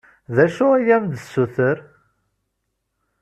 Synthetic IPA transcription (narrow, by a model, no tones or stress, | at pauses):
ðæʃʊæjæmd̪əsːuθəɾ